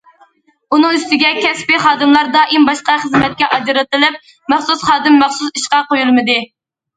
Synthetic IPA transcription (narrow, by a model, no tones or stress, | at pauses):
unɨŋyst̪ɪɡʲɛkʲʰɛspɪχɑːd̪ɨmlˠɑɾd̪ɑːʔimbɑʃqɑχəzmɛt̪̚kʲɛʔɑd͡ʒɨɾɑt̪ɨlɪp̚ | mæχsusχɑːd̪ɨmːæχsusiʃqɑqojulˠmɨd̪ɨ